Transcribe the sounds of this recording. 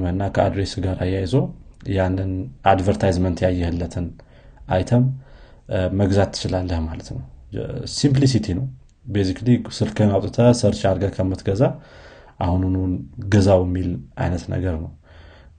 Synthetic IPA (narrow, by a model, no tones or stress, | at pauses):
məɨnːakʰəad̪ɾesɡaɾajːajzowjanːɨnad̪vəɾt̪ʰajzmənt̪jajːɛhɨlːət̪ʰɨn | ʔajt̪ʰəmː | əɡzat̪ʰːɨ̥t͡ʃɪlalːəhmalət̪nəwsimp̬lis̬it̪ʰinəw | besiklisɨlkʰənawt̪ʼt̪ʰəsəɾt͡ʃaɾɡəkʰəmːət̪ɡəza | ʔahununuɡəzawjɛmːilʔa̰jnət̪nə̰ɡəɾnəw